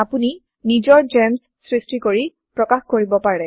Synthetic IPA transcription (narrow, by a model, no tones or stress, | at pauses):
apuni | nizɔɹd͡ʒɛmsːɹistikoɹi | pɹɔkaxkoɹibɔpaɹɛ